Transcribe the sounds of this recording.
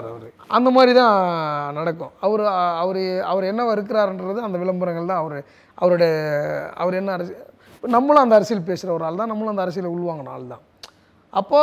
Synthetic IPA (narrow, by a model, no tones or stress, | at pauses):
ɐɾ | ʔɐnd̪ɐmaːd̪ɾit̪ãːnɐɽɐkːʊ̰̃ɐʋɐɾɯɐʋɐɾɯɐʋɐɾɛnːɐʋɐɾɯk̬ːɯɾaːɾɛndɾɐðɯɐnd̪ɐʋɪlɐmbɯɾɐŋɡɐɭt̪ãːɐʋɐɾɯ | ʔɐ̰ʋɐɾɯɽɐɐɐ̰ʋɐɾɛnːɐɾɐs | nɐmːɐɭɐnd̪ɐːɾɐsɪjɐlp̬eːsɯɾɐʋɐɾaːlt̪ãːnɐmːɐɭɐnd̪ɐɾɐs̬ɪjɐleʊɭːɯʋaːŋɡɐna̰ːlt̪ã̰ː | ɐpːoː